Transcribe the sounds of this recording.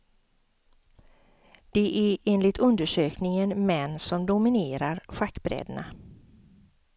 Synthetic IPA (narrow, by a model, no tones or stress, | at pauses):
d̪̥ɛʔæɾeːnlɪt̪ʰɵnd̪əʂøːknɪŋənmɛnːsɔmd̪ʊmɪneːɾaɾɧakːbɾɛ̰d̪na̰